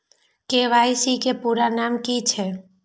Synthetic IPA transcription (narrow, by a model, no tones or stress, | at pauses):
keʋajsikepuɾanamkit͡ʃʰe